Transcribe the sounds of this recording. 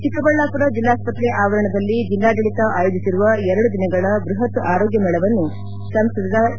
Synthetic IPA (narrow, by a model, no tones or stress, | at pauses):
t͡ʃik̪ɐbɐɭːaːpuɾɐd͡ʒilːaːspɐt̪ɾɛʔaːʋɐɾɐɳɐd̪ɐlːid͡ʒilːaːɡɐɭit̪ɐʔaːjod͡ʒ̪isiɾuʋɐɛɾɐɽud̪inɐɡɐɭɐbɾuɦɐt̪ʔaːɾo̞ːɡjɐmɛɭɐʋɐnːu | sɐmst̪ɐd̪ɐd̪ɐ